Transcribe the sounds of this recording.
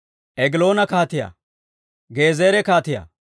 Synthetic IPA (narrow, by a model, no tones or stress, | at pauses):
ʔɛɡɪlo̞ːnɐkaːt̪ɪja̰ | ɡe̞ːzeːɾɛkaːt̪ɪja̰ː